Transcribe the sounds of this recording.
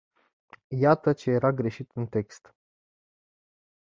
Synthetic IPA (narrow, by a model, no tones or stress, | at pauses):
jat̪ət͡ʃe̞je̞ɾaɡɾe̞ʃit̪ɨnt̪e̞kst̪